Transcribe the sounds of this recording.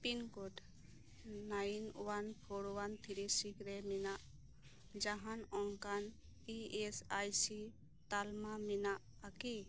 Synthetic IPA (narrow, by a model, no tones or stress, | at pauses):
pinkoʈ | najnuwanpʰoɽwant̪ʰiɾisikɾɛminaʔ | d͡ʒaɦanɔŋkan | iesajsi | t̪almaminaʔ | aki